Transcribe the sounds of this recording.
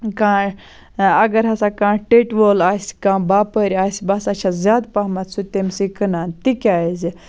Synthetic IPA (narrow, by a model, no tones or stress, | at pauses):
kãː | ɐɡəɾɦɐsakãʈeʈʋolaskãːbapəɾʲasbasɐt͡ʃʰazʲaːd̪paɦmat̪sut̪emsikənant̪ikʲajzi